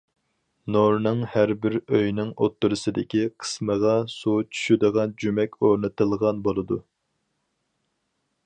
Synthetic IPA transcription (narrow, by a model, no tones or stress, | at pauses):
noɾnɨŋhæɾbɪɾøjnɪŋot̪ːuɾɨsɨd̪ɪkʲiqʰə̥sməʁɑsut͡ʃʰy̥ʃyd̪əʁɑnd͡ʒymɛkʲoɾnɨt̪ɨlˠʁɑnbolˠɨd̪u